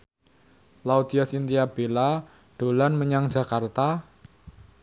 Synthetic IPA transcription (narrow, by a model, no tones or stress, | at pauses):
laud̪iasint̪iab̥ela | ɖ̥o̤lanməɲaŋ̥d͡ʒa̤kart̪a